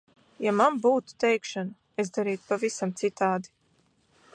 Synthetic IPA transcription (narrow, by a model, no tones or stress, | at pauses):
jamambuːt̪u̥t̪ɛjkʃanu | ezd̪aɾiːt̪pavisamt̪sit̪aːd̪i